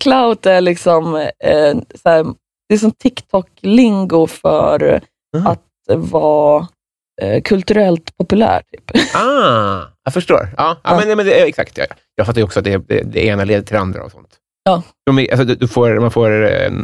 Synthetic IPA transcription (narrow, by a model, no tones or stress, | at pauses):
kʰlaʊt̪æɭɪksɔm | sæːɾ | d̪̥ɛæʂ̬ɔmt̪ʰɪkt̪ʰɔkːlɪŋɡʊfœ̰ɾ | at̪ | vɑː | kʰɵlt̪ɵɾɛlt̪pʰɔpɵlæ̰ːʈʰy̥ːpɑː | ɑfœʂʈo̰ːɾɑːʔɑ̰ːmɛnɛmɛnd̪ɛɑɛksa̰kt̪jɑ̰jɑːɡfat̪ːjɔksɔat̪̚d̪ɛd̪ɛ̰d̪ɛ̰eːnaleːd̪əʈʰɪla̰nd̪ɾa̰ɔ̰sɔ̰nt̪ | ɑːsɔmɛʔa̰lsɔd̪d̪ɵfoːɾmanfoːɾɛ̰